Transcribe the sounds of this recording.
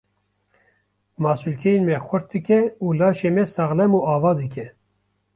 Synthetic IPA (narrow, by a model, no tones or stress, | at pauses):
mɑːsulkʲʰɛjenmɛxʷʊɾt̪̚d̪ɨkʲɛuːlɑːʃeːmɛsɑɣlɛmuːɑːvɑːd̪ɨkʰʲɛ